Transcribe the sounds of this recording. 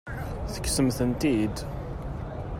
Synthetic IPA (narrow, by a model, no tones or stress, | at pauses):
θə̥kːsəmθənt̪id̪